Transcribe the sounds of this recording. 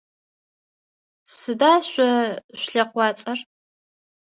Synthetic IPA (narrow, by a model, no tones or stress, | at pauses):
sɨdaːɕʷɐɕʷɬɐqʷɑːt͡sʼɐr